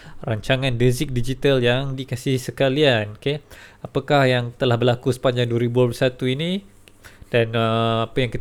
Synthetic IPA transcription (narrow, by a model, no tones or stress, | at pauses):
raɲt͡ʃaŋandezɪk̚did͡ʒit̪aljaŋdikasɪhsəkaliankeapakahjaŋt̪əlahbərlakusə̥paɲd͡ʒaŋduaɾibuanplusat̪uini | d̥anəapajaŋkit̪